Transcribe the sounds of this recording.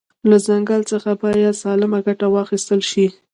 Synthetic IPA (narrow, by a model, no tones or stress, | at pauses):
lazaŋɡalt͡səxabɑjad̪sɑlɪmaɡaʈawɑxist̪əlʃi